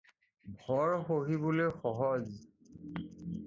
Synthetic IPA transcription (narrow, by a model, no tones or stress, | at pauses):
bʱɔɹxoɦibolojxɔɦɔz